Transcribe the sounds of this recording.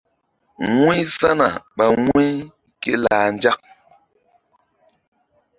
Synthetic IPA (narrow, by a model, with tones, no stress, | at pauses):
ŋi˦sa˦na˨ɓa˨ŋwi˦ | ke˦laː˨n˦d͡ʒa˦k̚